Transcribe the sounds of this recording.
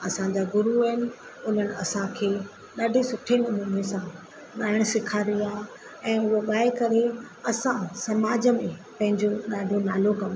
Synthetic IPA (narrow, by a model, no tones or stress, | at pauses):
ɐsãd͡ʑaːɡʊɾuɦɪnɪ̆ | ʊn̤ənɪ̆ɐsãkʰeː | ɗaːɖʱesʊʈʰenɪʊmənesã | ɗaːɪɽ̃sɪkʰaɾiaː | ɛ̃ːʊɦoɠaːekɐɾe | ɐsãsɐmaːd͡ʑə̆mẽpɐ̃ɦɪ̃ɲd͡ʑoɗaːɖʱonaːlokɐmo